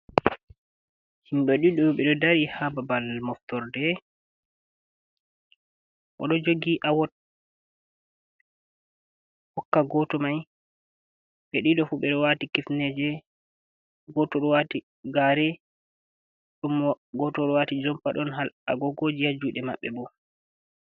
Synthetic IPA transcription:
hinɗɔɗiɗɔɓɛɗɔdaɾihababalmɔftɔɾdɛ | ʔɔ̰ɗɔd͡ʒoɡiʔawɔt̚ | hɔkːaɡɔtɔmaj | ɓɛɗiɗɔfuɓɛɗɔwatikifnɛd͡ʒɛ | ɡɔtɔɗɔwati | ɡaɾɛ | ɗum | ɡɔtɔɗɔwatid͡ʒɔmpaɗɔnɦala̰ɡɔɡod͡ʒihad͡ʒuːɗɛma̰ɓːɛbɔ

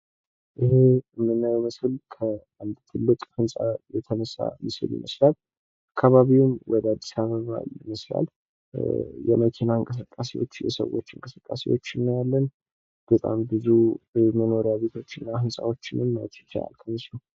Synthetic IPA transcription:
ʔɨhemːɨnːawmɨsɨlkʰə | and̪t̪ʰɨlːɨkʼhɨnsʼajɛt̪ʰənəsa̰mɨsɨ̰ljɪ̰məslal | ʔakʰːaβaβiwmwʔɔd̪əad̪ːisaβəβa̰jɪməsla̰l | jɛməkʰinaɨŋkʼəs̬ɨkʼːasewo̞̰t͡ʃːjɛ̰sə̰wo̞t͡ʃːɨŋkʼəsɨkʼːasḛwo̞t͡ʃːɪnːəwjalːən | b̥ət̪ʼa̰mbɨzuməno̞ɾjaβe̞t̪ʰo̞t͡ʃːɪnːahɨnsʼawo̞t͡ʃːɪnɨmːəwt̪ʰi̥t͡ʃʰːaa̰lt̪ʰənəsnəw

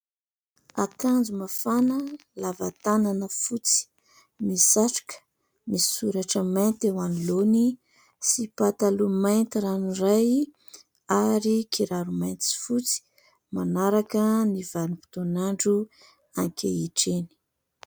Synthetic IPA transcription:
a̰kand͡zumafanəlavat̪ananəfut͡si̥ | misaʈ͡ʂḁkə̥ | nisuɾaʈ͡ʂəmant̪ewanloni | sipat̪alumajnt̪iɾaniraj | aɾikʰiɾaɾumajnt͡s̪i̥fut͡si̥ | manaɾakənivanipi̥t̪onaɳɖ͡ʐu | aŋkʲʰeiʈ͡ʂeni̥

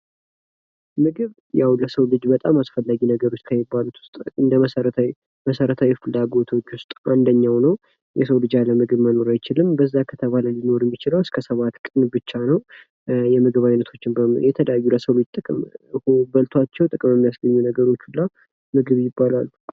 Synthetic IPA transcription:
mɨɡɨβ | jawləsəwlɨd͡ʒbət̪ʼamasfəlːaɡinəɡəɾo̞t͡ʃːtkʰajɪbːalut̪ʰwʊ̥st̪ʼɨnd̪əməsəɾə | məsəɾət̪ʰawifɨlːaɡo̞t̪ʰo̞t͡ʃːwʊst̪ʼand̪əɲːawnəw | jɛsəwlɨd͡ʒaləmɨɡɨβməno̞ɾajt͡ʃɪlɨmbəzːakʰət̪ʰəβaləlino̞ɾɛmːit͡ʃɪləwɨskʰəsəβat̪kʼɨnbɨt͡ʃːanəw | jɛmɨɡɨβajnət̪ʰo̞t͡ʃːɪnbəmjɛt̪ʰələjajːuləsəwlɨd͡ʒt̪ʼɨkʼɨmhubəlt̪ʰwat͡ʃːɛwt̪ʼɨkʼɨmɛmːijasɡəɲːunəɡəɾo̞t͡ʃːulːa | mɨɡɨβjɪbːalalːu

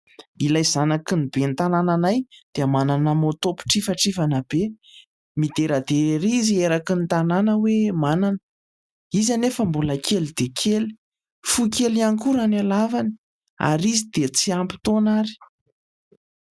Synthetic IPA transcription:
ilajzanakinibent̪anananajd̪̥eamananəmot̪opi̥ʈ͡ʂifaʈ͡ʂivanabe | mid̪eɾad̪eeɾizieɾakinit̪ananəwemananə | izanefəmbuləkʰelid̪ekʰeli̥ | fukʲeliaŋkuɾanalavani̥ | a̰ɾizid̪̥et͡siampi̥t̪onaɾi̥

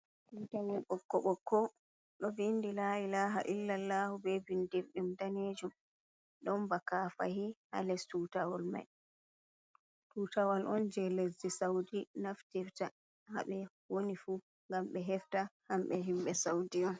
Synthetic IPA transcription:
tuːtawɔlɓɔkːɔɓɔkːɔ | ɗɔvindilailaːɦaʔilːalːahubɛvindiɾɗumdaned͡ʒum | ɗɔmbakafa̰hiha̰lɛstutawɔlma̰j | tuːtawalʔɔnd͡ʒɛlesdisawdinaftifta | ha̰ɓɛ | wonifu | ŋɡamɓɛɦɛftahamɓɛɦimɓɛsawdiɔn

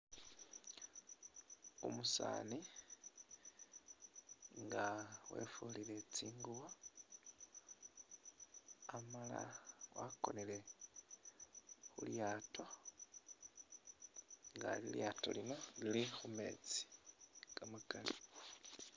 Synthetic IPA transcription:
o̰musa̰ːni | ŋɡawe̞̰fulile̞t͡siːŋɡuwo | amala̰wako̞nele̞ | xuljaːto̞ | ŋɡa̰liljaːto̞̰lino̞lilixume̞̰t͡si̥kamukali

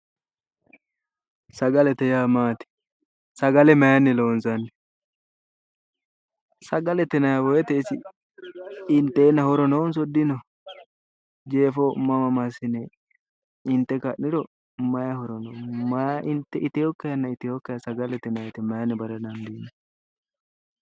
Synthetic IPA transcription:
sɐɡɐlɛt̪ɛjaːmaːt̪ɪ̥ | sɐɡɐlɛmɐjɐnːɛloːnsɐnːɛ | sɐɡɐlɛt̪ɛnɐjɐbɔjɛt̪ɛɪsɪ | ɪnt̪ːeːnːɐhɔɾɔnɔwns̬ɔd̪ːɪnɔ | d͡ʒe̞ːfomɐmɐmɐsɪnɛ | ɪnt̪ːɛkɐʔnɪɾɔ | mɐjɐhɔɾɔnɔmɐjʔɪnt̪ːɛʔɪt̪ɪjɔkːɐjɐnːɐɪt̪ɪjɔkːɐjɐsɐɡɐlɛt̪ɛnɐjɛt̪ɛmɐjɐnːɛbɐɾɛnɐnd̪iːnɛ

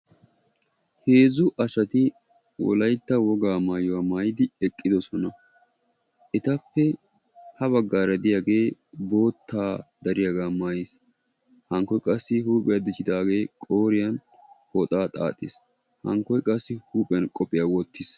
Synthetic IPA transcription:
heːzʊʔɐʃɐt̪ɪ | wɔ̰lɐjt̪ːɐwɔɡaːmaːjɔwaːmaːjɪd̪ɪɛkʼːɪd̪ɔsɔnɐ | ʔɛt̪ɐpːɛ | hɐβɐɡːaːɾɐd̪ɪjaːɡe̞ːbo̞ːt̪ʰːaːd̪ɐɾɪjɐɡaːmaːjɪs | hɐŋkːɔjkʼɐsːɪhuːpʼɪjad̪ɪt͡ʃːɪd̪aːɡe̞ːkʼoːɾɪjɐn | hɔt̪ʼaːt̪ʼa̰ːt̪ʼːɪs | hɐ̰ŋkːɔjkʼɐsːɪhuːpʼɪjɐnkʼɔpʼːɪjaːwɔt̪ːɪs

